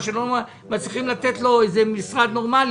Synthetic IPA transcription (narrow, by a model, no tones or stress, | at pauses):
ʃeloa | mat͡sʁiχimlat̪et̪lo̞ejzemisʁad̪no̞ʁmali